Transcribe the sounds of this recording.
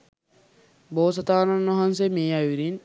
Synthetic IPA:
boːsɐt̪aːnɐnːɐɦansemeːɐʋiɾin

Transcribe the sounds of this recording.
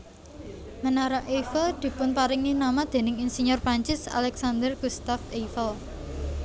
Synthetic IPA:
mənaɾaʔefəld̪̥i̤pʊnpaɾɪŋinamad̪̥e̤nɪŋinsiɲʊrpaɲt͡ʃɪsa̰lɛksand̪ərɡ̥ust̪afefəl

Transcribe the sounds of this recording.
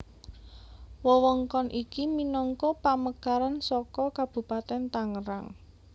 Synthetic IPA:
wɔwɔŋkɔnʔikiminɔŋkɔpaməkaɾansɔkɔkab̥ṳpat̪ɛnt̪aŋəɾa̰ŋ

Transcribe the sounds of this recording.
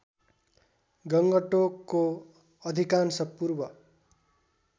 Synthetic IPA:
ɡʌŋɡʌʈokːo | ʌd̪ʱikansʌpurbʌ

